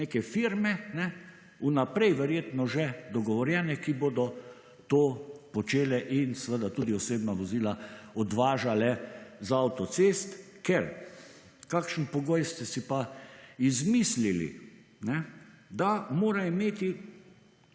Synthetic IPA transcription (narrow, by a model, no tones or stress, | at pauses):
neːkɛfiɾmɛnɛ | unapɾɛjʋɛɾjeːt̪nɔʒɛd̪ɔɡɔʋɔɾjɛnɛkiboːd̪ɔ | t̪oːpɔt͡ʃeːlɛʔinsəʋəd̪at̪uːd̪iɔseːbnaʋɔziːlaɔd̪ʋaːʒalɛzaawt̪ɔt̪seːst̪ | kɛɾ | kakʃənpɔɡojst̪ɛsipaizmislilḭ | nɛd̪amoːɾaimeːt̪i